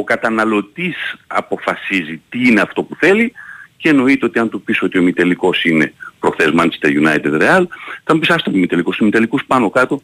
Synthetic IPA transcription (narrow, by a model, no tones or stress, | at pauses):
okɐt̪ɐnɐlo̞t̪isɐ̰po̞fɐsizit̪iineɐft̪o̞puθe̞liceeno̞it̪eo̞t̪iɐnt̪upiso̞t̪iomit̪eliko̞sine̞̰pɾoxθezmɐnt͡ʃe̥st̪eʝunɐjt̪ed̪ɾeɐlt̪ɐmbisɐst̪omimit̪eliko̞simit̪elikuspɐno̞kɐt̪o̞